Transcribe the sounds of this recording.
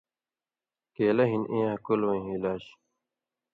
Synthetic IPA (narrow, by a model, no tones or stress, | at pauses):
keːlɐɦinʔẽːɦɐkulwɐ̃ĩɦilaːɕ